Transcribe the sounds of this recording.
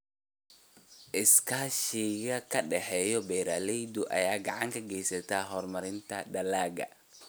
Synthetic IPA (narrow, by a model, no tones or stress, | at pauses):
ʔɪskʰaːʃɪɣɐkʰɐɖɛħɛjɔbɛjɾaːlɛjd̪ʊʔɐ̰jaːɡɑʕɑŋkʰɐɡɛjsɐt̪ʰaːɦɔːrmɐɾɪnt̪ʰɐɖɐlaːɡɐ̰